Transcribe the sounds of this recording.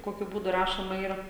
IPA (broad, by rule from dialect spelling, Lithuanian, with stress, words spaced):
ˈkoːkʲʊ ˈbuːdʊ ˈrɑːʃoːmɐ ˈiːrɐ